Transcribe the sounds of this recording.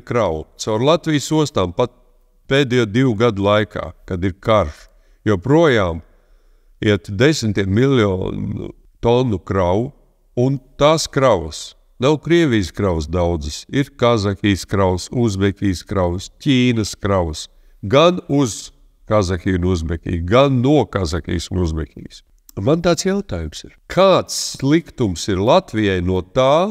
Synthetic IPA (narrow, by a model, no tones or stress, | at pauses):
kɾawt̪sawɾlˠat̪vʲijsuɔst̪aːmpat̪̚ | peːd̪ɛjɔd̪iwuɡad̪ulˠajkʰa̰ːkad̪iɾkaɾʃ | jɔpɾuɔjaːm | iɛt̪d̪esʲmʲt̪iɛt̪milʲɔ̰nṵ | t̪ɔnukɾaw | unt̪aːskɾawɐs | nawkɾiɛʋʲijskɾawsd̪awd̪zisiɾkazakʲiːskɾawsuzmɛkʲiːskɾawscʲiːnɐskɾaws | ɡanuz̥ | kazakʲiunuzmɛkʲḭːɡanːuɔkazakʲḭːsunuzmɛkʲḭːjs | mant̪aːt̪sjawt̪aːjumsiɾkʰaːt̪sːlˠikt̪umsiɾlˠat̪vijajnuɔt̪aː